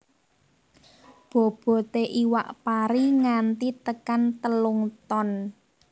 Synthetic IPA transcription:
b̥ɔ̤b̥ɔ̤t̪eʔiwa̰ʔpaɾiŋant̪it̪əkant̪əluŋt̪ɔn

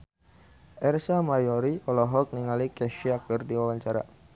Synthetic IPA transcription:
ʔɛrsamajɔɾiɔlɔɦɔk̚niŋalikɛʃiak̚ərdiwawaɲt͡ʃaɾa̰

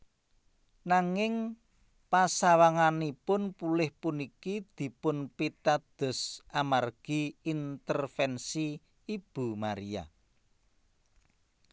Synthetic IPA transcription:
naŋɪŋ | pasawaŋanipʊnpulɪhpunikid̪̥i̤pʊnpit̪ad̪̥ɔ̤sʔamarɡ̥i̤int̪ərfɛnsiː | b̥ṳmaɾia̰

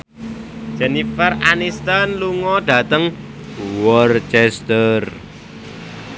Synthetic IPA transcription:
d͡ʒɛnifaranist̪anluŋɔɖ̥a̤t̪əŋ | wɔrt͡ʃɛst̪ər

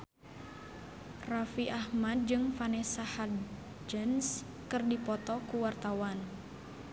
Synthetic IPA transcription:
rafiʔahmad̪̚d͡ʒɨŋfanɛsaha | d͡ʒəns | kɨrdipɔt̪ɔkuwart̪awan

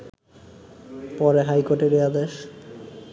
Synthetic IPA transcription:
pɔɾeɦajkoʈeɾiad̪eʃ

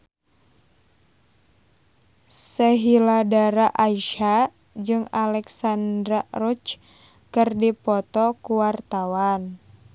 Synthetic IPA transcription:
sɛɦiladaɾaʔaiʃa | d͡ʒɨŋalɛksandɾarɔt͡ʃ | kɨrdipɔt̪ɔkuwart̪awan

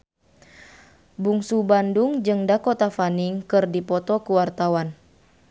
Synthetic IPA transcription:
buŋsubanduŋd͡ʒɨŋdakɔt̪afaniŋkɨrdipɔt̪ɔkuwart̪awan

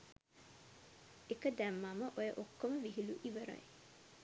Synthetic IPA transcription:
ekəd̪æmːaməʔojəʔokːoməʋiɦiluʔiʋəɾa̰j

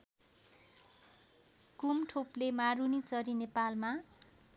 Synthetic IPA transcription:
kumʈʰoplemaɾunit͡sʌɾinepalma

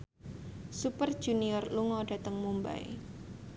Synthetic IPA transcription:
supərd̥ʒ̥uniɔrluŋɔɖ̥a̤t̪əŋmumba̰j̰

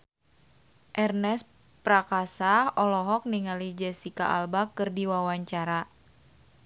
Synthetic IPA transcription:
ʔɛrnɛs | pɾakasaɔlɔɦɔk̚niŋalid͡ʒɛsika̰ʔalbakɨrdiwawaɲt͡ʃaɾa

